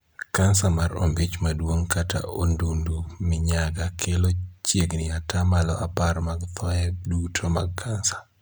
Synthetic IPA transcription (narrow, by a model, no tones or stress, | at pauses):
kansamaro̰mbit͡ʃmadwoŋkatʰa̰ʔondundumɪɲaɡakʰelot͡ʃjeɡnɪatʰamalɔʔaparmaɡt̪ʰɔɛdutʰomaɡ̚kʰansḁ